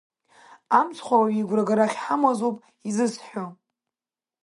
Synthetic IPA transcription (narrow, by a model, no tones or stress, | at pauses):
amt͡sʰχʷawaɥiiɡʷraɡaɾaχʲħamazowpʼ | izɨsħʷᶣo